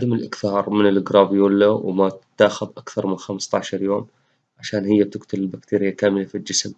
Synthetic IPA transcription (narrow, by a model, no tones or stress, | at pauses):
ad̪amɪlʔɪkθɑːɾˤmɪnɪlɪɡɾˤɑːbjuːlːawmatt̪ːaːxʊðˤʔakθɑɾˤmɪnxamst̪ˤɑʕʃɑɾˤjoːm | ʕaʃaːnhɪjːat̪ɪɡt̪ʰalɪlbakt̪ʰiːɾɪjːakaːmɪlafild͡ʒɪsm